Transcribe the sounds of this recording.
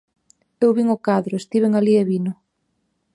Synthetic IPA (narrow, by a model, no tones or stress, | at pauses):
ewβiŋʊkaðɾʊest̪iβeŋalieβinʊ